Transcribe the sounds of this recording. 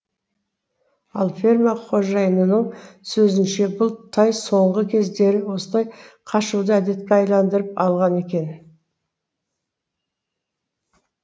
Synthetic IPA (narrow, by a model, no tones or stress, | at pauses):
ɑlˠfʲermaqʰo̞ʒɑjnənəsɵzɪnʃe̞bʊlˠt̪ʰɑjso̞ɴʁəkʲʰe̞zd̪e̞ɾɪwo̞səlˠɑjqʰɑʃud̪əæd̪e̞t̪̚kʲeɑjlˠɑnd̪əɾəpɑlˠʁɑne̞kʲe̞n